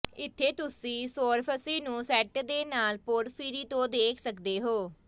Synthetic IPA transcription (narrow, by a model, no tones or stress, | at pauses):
ɪt̪ʰːeːt̪ʊsĩːsoːɾpʰəsiːnũːsɛːʈd̪eːnaːlpoːɾpʰiːɾiːt̪õːd̪eːkʰsəkd̪eːɦoː